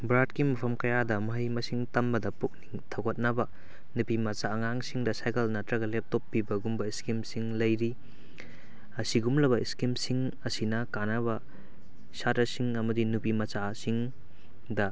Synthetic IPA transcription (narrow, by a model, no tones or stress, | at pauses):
bɾat̚kimɐpʰɐmkɐjadɐmɐɦɐjmɐsiŋtɐmbɐdɐpuk̚niŋtʰɐwɡɐt̚nɐbɐ | nupimɐt͡ʃaːŋaŋsiŋdɐsajkɐlnɐtɾɐɡɐlep̚topːibɐɡumbɐiskimsiŋlɐjɾi | ɐsiɡumlɐβɐiskimsiŋ | ɐsinɐkanɐβɐ | satɾɐsiŋɐmɐdinupimɐt͡ʃasiŋ | dɐ